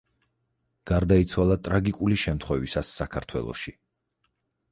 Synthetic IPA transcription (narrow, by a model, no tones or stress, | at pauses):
ɡ̥aɾd̪ait̪sʰwalˠat̪ʼɾaɡikʼuliʃɛmt̪ʰχwɛvisasːakʰaɾt̪ʰwɛ̰lˠɔ̰ʃi